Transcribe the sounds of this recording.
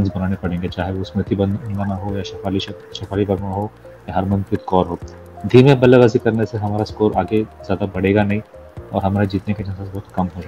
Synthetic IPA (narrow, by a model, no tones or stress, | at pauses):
ɐnzbɐnaːnepɐɽẽːŋɡet͡ʃaːɦeʋosmɾɪt̪ːibɐnnd̪naɦojaʃɐaːli | ʃɐfʰaːlibɐɾnaɦo | jaɦɐɾmɐ̃nt̪ɾɪt̪kɔːɾɦoː | d̪ʱiːmẽbɐleʋaːzikɐɾneseɦɐmaːɾaskoːɾaːɡez̥jaːd̪abɐɽeːɡanɐɦĩ | ɔ̰ːɾɦɐmaːɾd͡ʒiːt̪neked͡ʒɐ̃nsasbɐɦʊt̪kɐmɦod͡ʒa